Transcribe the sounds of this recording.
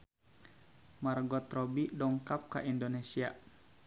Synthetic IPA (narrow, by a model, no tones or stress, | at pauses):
marɡɔt̪rɔbidɔŋkap̚ka̰ʔindonesia